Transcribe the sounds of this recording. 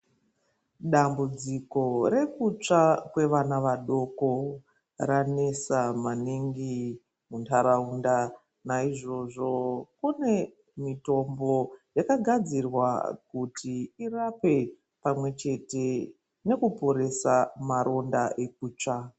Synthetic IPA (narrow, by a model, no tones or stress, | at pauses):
ɗambud͡ziko̞ɾe̞kut͡ʂakwe̞ʋanaʋaɗo̞ko | rane̞samaniŋɡi | muntʰaɾaunda | naiʐo̞ʐo̞kune̞ | mito̞mbo̞jakaɡʱad͡zirwa̰kutʰiirape̞ | pamwe̞t͡ʃe̞te̞ | ne̞kupo̞ɾe̞samaɾʔo̞ndaʔe̞k̚uːt͡ʂa